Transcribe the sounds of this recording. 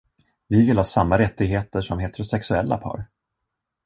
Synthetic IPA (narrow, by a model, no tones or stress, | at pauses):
vɪvɪlhɑːsamːaɾɛt̪ːɪɡheːt̪əʂɔmɦeːt̪ɛɾʊsɛksɵɛlːa̰pʰɑ̰ːɾ